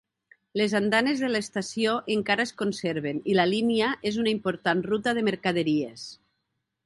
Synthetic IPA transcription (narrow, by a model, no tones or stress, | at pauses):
lezand̪anezðelest̪asioʔeŋkaɾaeskonseɾβenilaliniaʔezunaimpoɾt̪anrut̪aðemeɾkað̞eɾies